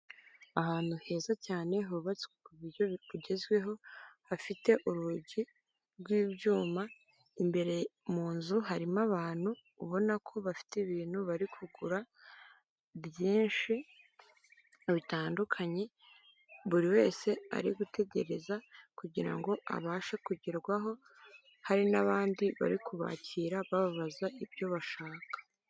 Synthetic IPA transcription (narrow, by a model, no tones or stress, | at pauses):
ahaːn̥huhe̞ːzacaːne̞ɦuuβat͡swekujouɟe̞zɡwe̞ɦo̞hafite̞ʔuɾuɟi | ɾɡwiːβɟuːma | imbe̞ɾe̞muːnzuɦaɾimaβaːn̥huː | βo̞nakʰo̞βafi̥tiβiːn̥huβaɾikʰuɡuɾa | bjiːnʃi | iβitaːndukʰaɲe̞ | βuɾiwe̞ːse̞a̰ɾiɡute̞ɟe̞ɾe̞zakuɟiɾa̰ŋɡo̞ʔa̰βaːʃekuɟiɾɡwaɦo̞ | haɾinaβaːndiβa̰ɾikuβa̰ːciɾaβaβaβazaʔibjo̞βaʃaːkḁ